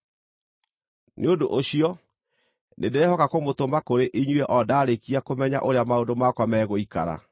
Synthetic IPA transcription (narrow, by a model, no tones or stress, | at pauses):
nʔeodo̰ʔoɕiɔ | nedeɾehɔkakomotombakoɾeʔiɲwɛʔɔdaːɾekiakomɛɲa̰ʔoɾeamaondomakwamɛːɣoika̰ɾa̰